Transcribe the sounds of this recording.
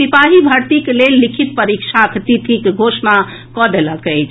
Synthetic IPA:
ipaɦibʱəɾt̪ikelelːikʰit̪̚pəɾikʃʰakʰt̪it̪ʰikɡʱosna | kɔd̪eləkəjt͡ʃʰ

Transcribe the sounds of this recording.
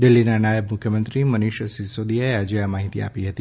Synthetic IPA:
d̪ɪlːinanajəbmʊkʰjəmə̃nt̪ɾimənɪʃsisod̪ijaead͡ʒəamaɦit̪ia̰piɦət̪i

